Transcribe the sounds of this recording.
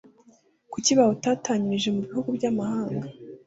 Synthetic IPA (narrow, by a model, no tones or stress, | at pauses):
kuciβahotaːtaːɲiɾiʒe̞muβihuɡubɟamahaːŋɡa